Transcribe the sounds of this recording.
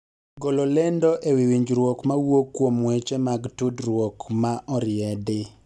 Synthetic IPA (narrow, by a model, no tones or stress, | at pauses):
ɡololɛndɔʔewiwiɲd͡ʒɾwokmawokːwomwɛt͡ʃɛmaɡtudɾwokmaʔɔɾɪɛdɪ